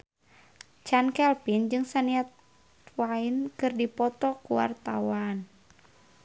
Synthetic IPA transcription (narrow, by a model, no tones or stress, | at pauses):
t͡ʃankɛlpind͡ʒɨŋsaniat̪̚ | wainkɨrdipɔt̪ɔkuwa̰rt̪a̰wan